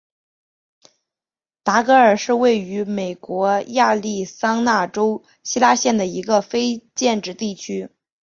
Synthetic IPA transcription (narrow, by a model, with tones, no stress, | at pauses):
t̪a˧˥kɤ˧˥ə˞˨˩ʂɻ̩˥˧we˥˩ɪy˧˥me˨˩ɪkwɔ˧˥ja˥˧li˥˩sɑ˥ŋna˥˩ʈ͡ʂo˥ʊ | ɕi˥la˥ɕjɛ˥˩nd̪ə˩i˧˥ɡə˧fe˥ɪt͡ɕjɛ˥˧nʈ͡ʂɻ̩˥˧t̪i˥˩t͡ɕʰy˥